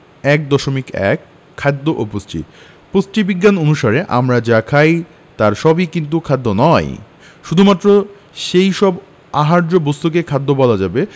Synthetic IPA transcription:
ɛk̚d̪ɔʃomikɛ̰kʰː | ad̪ːoʔoposʈḭ | posʈibiɡːanonuʃaɾeʔa̰mɾad͡ʑakʰaj | t̪aɾʃɔbikint̪̬ukʰad̪ːonɔj | ʃud̪ʱumat̪ːɾo | ʃejʃɔb | aɦaɾd͡ʑobost̪ukekʰad̪ːobɔlad͡ʑabe

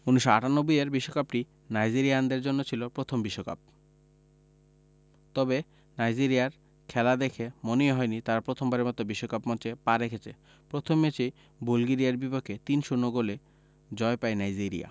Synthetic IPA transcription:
unuʃoaʈanobujeɾbiʃːokapʈi | najd͡ʑiɾiaand̪eɾd͡ʑonːot͡ɕʰilopɾot̪ʰombiʃːoka̰p̚ | t̪ɔbe | najd͡ʑiɾijaɾ | kʰɛlad̪ekʰemoniɦɔenit̪aɾapɾot̪ʰombaɾemɔt̪obiʃːokapmɔt͡ɕepaɾekʰet͡ɕʰḛ | pɾot̪ʰomːet͡ɕe | bolɡiɾiaɾbipokʰːet̪inʃunːoɡole | d͡ʑɔepaenajd͡ʑiɾḭja̰

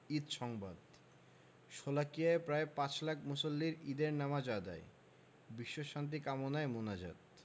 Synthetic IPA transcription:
id̪ʃɔŋbad̪ | ʃolakiaepɾaepãt͡ɕlak̚ʰmusolːiɾid̪eɾnamad͡ʑad̪a̰e | biʃːoʃant̪̬ikamonaemonad͡ʑa̰d̪̚

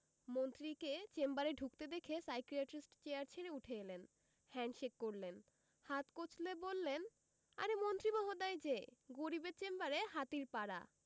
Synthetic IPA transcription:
mont̪ɾiket͡ɕembaɾeɖʱukt̪ed̪ekʰesajkɾiaʈɾisʈt͡ɕeaɾt͡ɕʰeɾeuʈʰeelen | hɛɳɖʃekːoɾlen | hat̪kot͡ɕʰlebolːen | a̰ɾemont̪ɾimɔɦod̪ajd͡ʑeɡoɾibet͡ɕembaɾeɦat̪iɾpaɽa̰

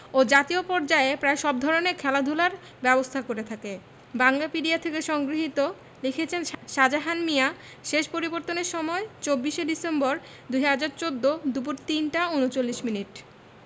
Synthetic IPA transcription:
od͡ʑat̪iopɔɾd͡ʑaeepɾaeʃɔb̚d̪ʱɔɾonekʰɛlad̪ʱulaɾ | bɛbost̪ʰakoɾet̪ʰake | baŋlapiɖiat̪ʰekeʃɔŋɡɾiɦit̪o | lekʰet͡ɕʰenʃad͡ʑaɦanmia | ʃeʃpoɾiboɾt̪oneɾʃɔmɔet͡ɕobːiʃeɖisembɔɾ | d̪ujɦad͡ʑaɾt͡ɕod̪ːod̪up̬uɾt̪inʈaunot͡ɕolːiʃminiʈ

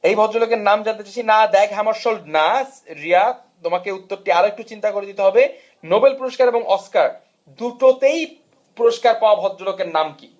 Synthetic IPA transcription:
ejbʱɔd̪ɾolokeɾnamd͡ʑant̪et͡ɕaʃʰinad̪ɛkʰɦamaɾʃolnasɾia | t̪omakeut̪ːoɾʈiaɾoek̚ʈut͡ɕint̪akoɾed̪it̪eɦɔbe | nobelpuɾoʃkaɾeboŋʔɔskaɾ | d̪uʈot̪ej | puɾoʃkaɾpaoabʱɔd̪ɾolokeɾnamki

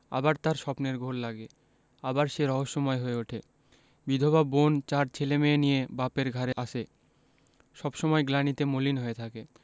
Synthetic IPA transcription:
a̰baɾt̪aɾʃɔpneɾɡʱoɾlaɡe | abaɾʃeɾɔɦoʃːomɔeɦoeoʈʰe | bid̪ʱobabont͡ɕaɾt͡ɕʰelemeːnijebapeɾɡʱaɾeʔaʃʰe | ʃɔbʃɔmɔeɡlanit̪emolinɦoet̪ʰake

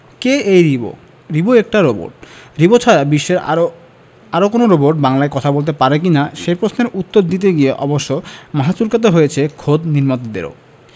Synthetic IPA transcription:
keejɾibo̰ | ɾiboɛk̚ʈaɾobo̰ɾʈ̚ɾibot͡ɕʰaɾabiʃːeɾ | aɾokonoɾoboɾʈ̚baŋlaekɔt̪ʰabolt̪̬epaɾek̬inaʃejpɾosneɾut̪ːoɾd̪it̪eɡieʔɔboʃːomaɦat͡ɕuɾkat̪̬aɦojet͡ɕʰekʰod̪niɾmat̪od̪ḛɾo̰

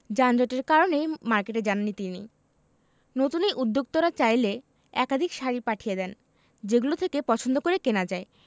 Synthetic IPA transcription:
d͡ʑand͡ʑoʈeɾkaɾonejmaɾkeʈed͡ʑananːit̪inḭ | not̪unejʔud̪ːok̚t̪oɾat͡ɕajle | ɛkad̪ʱikʃaɾipaʈʰijed̪ɛn | d͡ʑeɡulot̪ʰekepɔt͡ɕʰond̪okoɾekenad͡ʑae

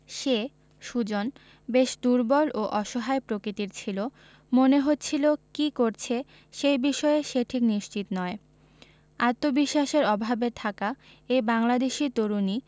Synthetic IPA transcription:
ʃe | ʃud͡ʑon | beʃd̪uɾbɔloʔɔʃoɦaepɾokɾit̪iɾt͡ɕʰilo | moneɦot̪ːt͡ɕʰilokikoɾt͡ɕʰe | ʃejbiʃɔeeʃeʈʰikniʃt͡ɕit̪nɔe | at̪ːobiʃːaʃeɾɔbʱabet̪ʰaka | ejbaŋlad̪eʃit̪oɾuni

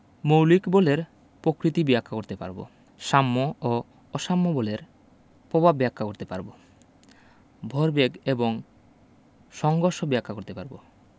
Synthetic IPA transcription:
mowlikboleɾ | pɾokɾit̪ibiakʰːakoɾt̪epa̰ɾbo̰ | ʃamːoo | ɔʃamːoboleɾ | pobʱabːɛakʰːakoɾt̪epa̰ɾbo | bʱɔɾbeɡeboŋ | ʃɔŋɡoɾʃobeakʰːakoɾt̪epa̰ɾbo̰

